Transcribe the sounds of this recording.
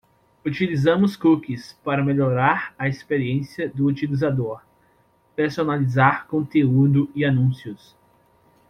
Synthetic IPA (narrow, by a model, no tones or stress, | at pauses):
ut͡ʃilizɐ̃mʊskukɪspaɾɐmeʎoɾaɾɐespeɾiẽsiɐd̪ʊut͡ʃilizad̪oɾ | peɾsonalizaɾkõnt̪eud̪ʊianũsijʊs